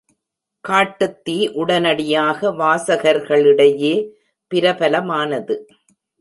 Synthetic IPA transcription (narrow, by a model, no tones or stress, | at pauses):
kaːʈːɐt̪ːiːʔʊɽɐnɐɽɪjaːɣɐʋaːsɐɣɐɾɣɐɭɪɽɐjeː | pɪɾɐpɐlɐmaːnɐðɯ